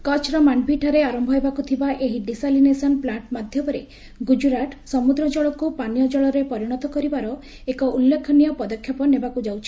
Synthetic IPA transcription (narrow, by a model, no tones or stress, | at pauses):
kɔt͡ʃʰɾɔmaɳɖbʱiʈʰaɾeaɾɔmbʱɔɦebakut̪ʰibaʔeɦiɖisalinesɔnplaɳʈmad̪ʱjɔmɔɾe | ɡud͡ʒuɾaʈsɔmud̪ɾɔd͡ʒɔɭɔkupanjɔd͡ʒɔɭɔɾepɔɾiɽ̃ɔt̪ɔkɔɾibaɾɔ | ekɔʔulːekʰːɔnijɔpɔd̪ɔkʰːjɔpɔnebakud͡ʒawt͡ʃʰi̥